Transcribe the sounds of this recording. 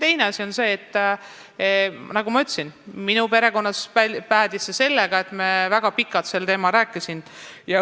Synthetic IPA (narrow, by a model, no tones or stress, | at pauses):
t̪e̞jne̞ɑsʲio̞nse̞ːt̪ː | nɑɡ̥umɑyt̪ːˑsinminupe̞ɾe̞ko̞nːɑspæpæːd̪isːese̞lːeɡ̥ɑe̞t̪ːˑmevæɡ̥ɑpikːˑɑt̪se̞lt̪e̞ːmɑlɾæːkːˑisinjɑ